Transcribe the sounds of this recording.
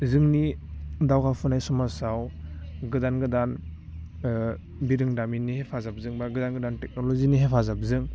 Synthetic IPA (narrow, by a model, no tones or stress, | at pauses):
zɯŋnidawɡawpʰɔnajsɔmasawɡɯdanɡɯdan | biɾɯŋdaminːihepʰazap̚zɯŋbaɡɯdanɡɯdantɛk̚nɔlɔziniɦepʰazap̚zɯŋ